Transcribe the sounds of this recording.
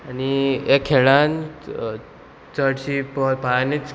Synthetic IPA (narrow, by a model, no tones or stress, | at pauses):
aniekʰːeɭan | t͡səʈɕipəpanit͡s